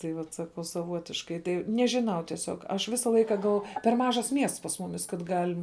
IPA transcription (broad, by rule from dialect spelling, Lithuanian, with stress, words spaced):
tɐɪ ˈʋɐt sɐˈkɐʊ sɐˈʋuɔtʲɪʃkɐɪ ˈtɐɪ nʲɛʒʲɪˈnɐʊ tʲiɛˈsʲoːk ˈɐʃ ˈʋʲɪsɐ ˈlˠɐɪkɐ ɡɐlˠ pʲɛr ˈmɑːʒɐs ˈmʲiɛsts pɐs ˈmʊmʲɪs kɐt ˈɡɑːlʲɪm